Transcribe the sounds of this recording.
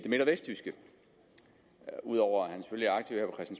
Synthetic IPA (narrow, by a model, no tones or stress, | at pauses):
d̥e̝me̝ɾɐʋesd̥ysɡ̥ə | uð̞ˠɒʊ̰ɐhænse̥føljəæɐɑ̥t͡sʰḭʊheɐpɒ̽kʰɛsd̥n̩s